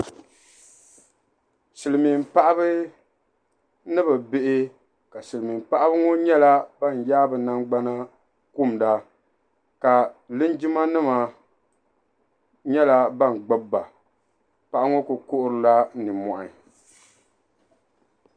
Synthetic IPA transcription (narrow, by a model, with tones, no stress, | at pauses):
sɨ˨lɨ˨mi˨m˨pa˦ʔa˦bɨ˦ | nɨ˦bɨ˨bɪ˦ʔɪ˦ | ka˨sɨ˨lɨ˨mi˨m˨pa˦ʔa˦bɨ˦ŋo˦ɲɛ˦la˦ba˦˨n˨jaː˦bɨ˨na˦ŋɡ͡ba˦na˦ | ku˦˨m˨da˨ | ka˨lɨ˦nd͡ʒi˦ma˦nɨ˦ma˨ | ɲɛ˦la˦ba˦n˨ɡ͡ba˦bːa˨ | pa˨ʔa˦ŋo˦kʊ˨ko˦ʔʊ˦ɾɨ˨la˦nɨ˨mɔ˨ʔa˨